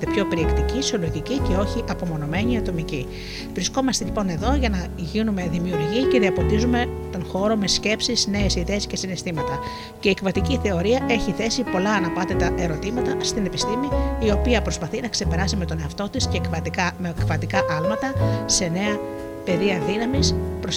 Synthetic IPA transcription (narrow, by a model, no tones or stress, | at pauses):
epço̞piɾiekt̪icisio̞lo̞ʝicice̞o̞çiʔɐpo̞mo̞no̞me̞ɲiɐt̪o̞mici | vɾisko̞mɐst̪e̞ʎipo̞ne̞ðo̞ʝɐnɐ | ʝinume̞ðimiuɾʝice̞ðiɐpo̞t̪izume̞t̪o̞nxo̞ɾo̞me̞sce̞psisne̞esiðe̞ːsce̞sinest̪imɐt̪ɐ | ceiːekvɐt̪iciθe̞o̞ɾiɐʔe̞çiθe̞sipo̞lɐːnɐpɐt̪et̪ɐʔe̞ɾo̞t̪imɐt̪ɐst̪ine̞pist̪imiio̞piɐpɾo̞spɐθinɐkse̞pe̞ɾɐsime̞t̪o̞ne̞ɐft̪o̞t̪isce̞ːkvɐt̪ikɐmekvɐt̪ikɐʔɐlmɐt̪ɐse̞ne̞ɐ | pe̞ðiɐðinɐmispɾo